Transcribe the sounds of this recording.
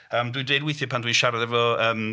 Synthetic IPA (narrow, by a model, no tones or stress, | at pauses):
əːmdwiɨdejdwɪjθjɨpʰandwiɨʃaɾaðɛvɔəːm